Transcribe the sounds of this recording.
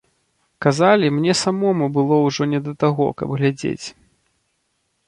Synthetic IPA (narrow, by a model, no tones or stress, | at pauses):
kazalʲimnʲɛsamɔmubɨlˠɔwʐɔnʲɛd̪ɐt̪aɣɔ̰kɐ̰bɣlʲad͡zʲḛt͡sʲ